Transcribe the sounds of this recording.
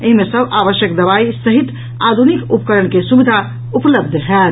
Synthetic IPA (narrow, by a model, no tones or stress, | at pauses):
eɦimẽsəbaʋəʃjəkd̪əβaisəɦit̪ | ad̪ʱunikupkəɾəɳkesubid̪ʱa | upləbd̪ʱtʰɛt̪